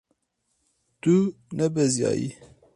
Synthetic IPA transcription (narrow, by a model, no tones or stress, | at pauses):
t̪u | nɛbɛzjɑ̰ːjḭ